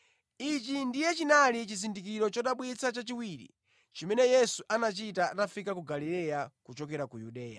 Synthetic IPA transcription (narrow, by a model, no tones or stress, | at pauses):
it͡ʃindijɛt͡ʃinalit͡ʃizindikiɾɔt͡ʃɔɗaɓwit͡sat͡ʃat͡ʃiwiːɾḭ | t͡ʃimɛnɛjɛsuʔanat͡ʃitatafikakuɡalilɛjakut͡ʃɔkɛɾakujuɗɛːja̰